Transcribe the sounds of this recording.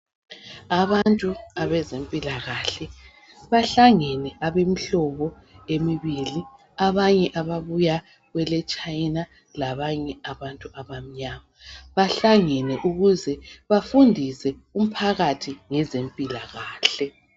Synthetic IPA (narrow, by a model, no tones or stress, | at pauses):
aβantʼuaβɛzempʼilaɣaɬɛ | βaɬaŋɛnɛʔaβem̩ɬɔβɔ | emiβili | aβaɲɛʔaβaβuja | ɣwɛlɛt͡ʃʼajna | laβaɲɛaβantʼuʔaβam̩ɲamaβaɬaŋɛnɛʔuɣuzɛβafundʱisɛ | um̩pʰaɣatʰiŋɛzempʼilaɣaːɬɛ